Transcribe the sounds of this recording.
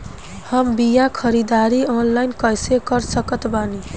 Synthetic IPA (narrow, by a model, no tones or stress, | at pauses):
həmbijakʰəɾid̪aɾionlajnkəjsekəɾsəkət̪bani